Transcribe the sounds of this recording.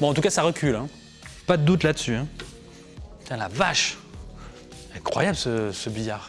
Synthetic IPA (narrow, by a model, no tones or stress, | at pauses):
bɔ̃ɑ̃t̪̬ukasaʁəkʲylɛ̃ | pad̪əd̪ut̪lad̪əsyɛ̃ | t̪ɛ̃lavaʃ | ɛ̃kχwa̰jablsəsəbijaʁ